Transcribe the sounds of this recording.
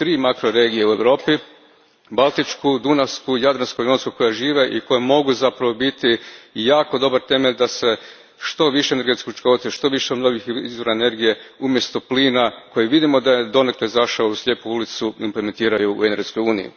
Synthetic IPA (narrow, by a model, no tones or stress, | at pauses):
t̪ɾiːmakɾoɾe̞ːɡijeue̞ʋɾo̞ːpi | balˠt̪it͡ʃkud̪unaskujad̪ɾanskoionskoko̞jaʒiːʋe̞ʔiko̞jemo̞ɡuzapɾaʋo̞bit̪ijaːko̞d̪o̞baɾt̪e̞me̞ʎʲd̪ase̞ | ʃt̪o̞ʋiʃeene̞ɾɡe̞t̪skʲiut͡ʃko̞t̪seiʃt̪o̞ʋiʃemnoɡixizʋo̞ɾaene̞ɾɡije̞umje̞st̪o̞pliːnako̞jeʋid̪imo̞d̪ajed̪o̞ne̞kleizaʃaouslʲe̞ːpuulit̪suimpleme̞nt̪iːɾajṵːeneɾɡesko̞juːnijṵ